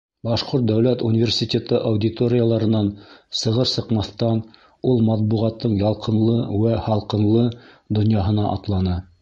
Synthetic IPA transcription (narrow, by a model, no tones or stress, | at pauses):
bɑʃqoɾt̪̚d̪æwlæt̪unʲivʲersʲit̪ʲet̪ɤʔawdʲit̪oɾʲɪjalˠɑɾɤ̆nɑnsɤ̆ʁɤɾsɤ̆qmɑθt̪ɑn | ulˠmɑt̪̚buʁɑt̪ːɤɴjɑlˠqɤ̆nlˠɤwæhɑlˠqɤ̆nlˠɤ | d̪ŏnjɑɦɤ̆nɑʔɑt̪lˠɑnɤ